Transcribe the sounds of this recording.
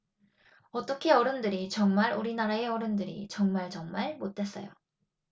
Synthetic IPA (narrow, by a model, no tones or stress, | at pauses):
ʌt͈ʌkʰe̞ʌɾɯmdɯɾit͡ɕʌŋmaɾuɾinaɾae̞ʌɾɯmdɯɾḭt͡ɕʌŋmaɭt͡ɕʌŋmaɭmot͈e̞s͈ʌ̰jo̰